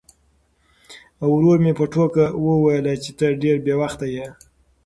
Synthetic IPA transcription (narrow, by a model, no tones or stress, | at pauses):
awɾoɾmepəʈokawəwajəlat͡ʃet̪əɖeɾbjewaxt̪aje